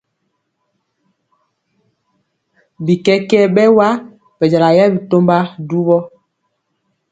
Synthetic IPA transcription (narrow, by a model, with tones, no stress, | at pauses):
bi˨kɛ˦kɛ˦bɛ˦wa˦ | b̥ɛ˨d͡ʒa˨la˨jɛ˦bi˨to˦mba˦du˦βɔ˦